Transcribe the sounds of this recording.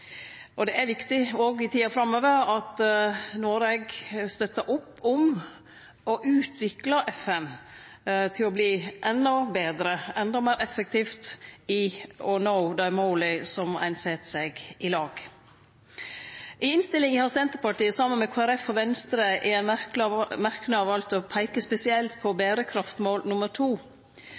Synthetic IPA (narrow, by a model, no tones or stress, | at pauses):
ʔɔd̪ɛʔæɾʋɪkt̪ɪoːɡɪt̪ʰiːɑfɾɑmøːʋəɾɑt̪noːɾɛɡst̪œt̪ːəʔʊpːɔm | ɔʔʉːt̪ʰʋɪklɑʔɛfɛn | t̪ʰɪlɔbliːʔɛnːɔbeːd̪ɾəɛnd̪ɔmeːɾʔɛfːək̚t̪ʰiːft̪ɪɔnoʊd̪ɑɪmoʊlɪsɔmæ̰ɪnsɛt̪sɛɡɪlɑːɡ̥ | ʔɪɪnst̪ɪlɪŋəhɑsɛnt̪əɾpɑʈiːəsɑmːənmɛkʰoæɾɛfːɔʋɛnst̪ɾəʔɛæ | mæɾkənəɑʋɑlt̪ɔpʰæɪkəspɛsɪɛlt̪pʰɔbæːɾəkʰɾɑft̪moːlnʊməɾʈʰuː